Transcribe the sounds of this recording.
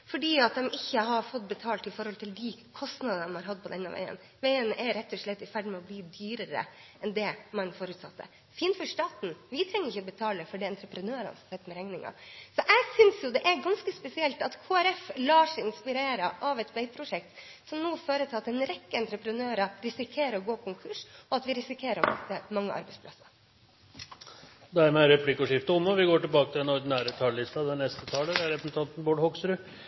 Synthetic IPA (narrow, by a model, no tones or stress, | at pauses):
fɔɖiːɑt̪̚d̪ɛmʔɪçːəɦɑɾfɔt̪̚ːbɛt̪ʰɑːlt̪ɪfɔɾhɔlt̪ʰɪld̪ɪkʰɔst̪nɑd̪ɑnmhɑɾɦɑd̪̚pʰɔd̪ɛ̰nːɑ̰ʋæ̰ɪə̰n | ʋæɪənʔɛɾɛt̪ːɔʂɭɛt̪ːɪfæɖmɛɔbliːd̪yːɾəɾə̰ | ɛnd̪ɛmɑnfɔːɾʉːt̪sɑt̪ːə̰ | fiːnfɔʂt̪ɑːt̪n̩ʋɪt̪ʰɾɛŋːəɾɪçəɔbət̪ʰɑːləfɔɖɛɑnt̪ɾəpɾənøːɾɑ̰nsmsɛt̪ːmɛɾɛŋnɪŋɑ̰sɔʔæɡsʏnsjʊd̪ɛʔæɾɡɑnskəspɛsɪɛlt̪ɑt̪kʰoːæɾɛflɑːʂɪnspɪɾeːɾəʔɑʋɛt̪bɛɪpʰɾʊʂɛk̚t̪ | sɔmnuːføːɾət̪ʰɪlɑt̪ɛnɾɛkːəɛnt̪ɾəpɾənøːɾɑɾɪsɪkʰeːɾəɔɡoːkʰʊŋkʰʉʂɔɑt̪ʋɪɾɪsɪkʰeːɾəɾ̰mɛ̰t̪ːəmɑŋːə̰ʔɑ̰ɾbɛɪspʰlɑsɑ̥ɾ | d̪ɛæɾmæɾɛpʰlɪkːɔʂɪft̪əɔmːɔʋɪɡoːʈɪlbɑːkət̪ʰɪlɛnɔɾɖ̪ɪnæːɾət̪ʰɑllɪst̪ɑd̪ɛnɛst̪ət̪ʰɑːləd̪ɛæɾɛpnt̪ʰɑnt̪n̩boːɖhɔksɾʉ